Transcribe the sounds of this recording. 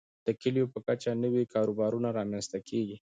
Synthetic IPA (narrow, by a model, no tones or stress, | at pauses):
d̪̥əkɪlijopəkat͡ʃanəwikɑɾobɑɾunaɾɑmanst̪akʰeɡi